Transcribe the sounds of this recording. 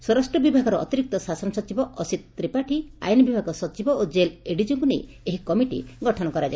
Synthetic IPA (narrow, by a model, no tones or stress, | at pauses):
sɔɾɔsʈɾɔbibʱaɡɔɾɔɔ̰t̪iɾik̚t̪ɔsasɔnɔsɔt͡ʃibɔʔɔsit̪t̪ɾipaʈʰia̰jnɔbibʱaɡɔsɔt͡ʃibɔod͡ʒeleɽid͡ʒuŋkunej | eɦikɔmiʈḭɡɔʈʰɔnɔkɔɾad͡ʒa